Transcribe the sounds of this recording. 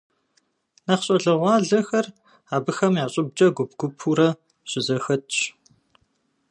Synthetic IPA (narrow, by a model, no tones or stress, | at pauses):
nɐχɕʼɐɮɐʁʷɑːɮɐxɐr | aːbɨxɐmjaːɕʼɪb̚d͡ʒʼɐɡʷʊb̚ɡ̥ʷʊpʰuɾɐ | ɕʼɪzɐxɐtʰɕ